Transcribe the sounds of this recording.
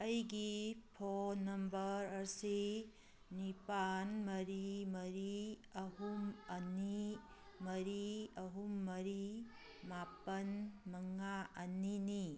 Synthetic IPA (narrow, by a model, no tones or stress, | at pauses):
əjɡipʰonːɐmbəɾɐɾsi | nipanmɐɾimɐɾiɐɦumɐni | mɐɾiɐɦumːɐɾi | mapɐnmɐŋaʔɐnini